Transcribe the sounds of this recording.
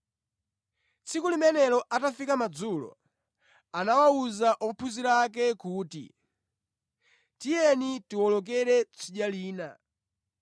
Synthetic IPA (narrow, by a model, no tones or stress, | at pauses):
t͡sʰikulimɛnɛlɔʔatafikamad͡zulɔ̰ | anawauzaʔɔpʰuziɾak̬ɛkuːtḭ | tijɛnitiwɔlɔk̬ɛɾɛt͡siɗjaliːna̰